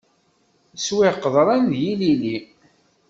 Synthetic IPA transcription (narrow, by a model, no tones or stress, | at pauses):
swɪqːəðˤɾˤɑnðjilili